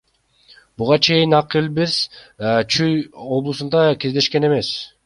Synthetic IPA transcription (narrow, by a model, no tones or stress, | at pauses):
buʁɑt͡ʃʰe̞jinɑqilbiɾst͡ʃʰyjo̞blˠusund̪ɑke̞zd̪e̞ʃke̞ne̞me̞s